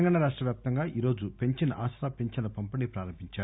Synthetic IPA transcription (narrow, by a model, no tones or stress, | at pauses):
ɐŋɡaːɳaɾaːʂʈɾɐʋjaːp̚t̪ɐŋɡaːʔiːɾo̞ːd͡ʒupe̞ɲt͡ʃinɐʔaːsɾaːpe̞ɲt͡ʃɐnɐpɐmpɐnipɾaːɾɐmbʱiɲt͡ʃaːu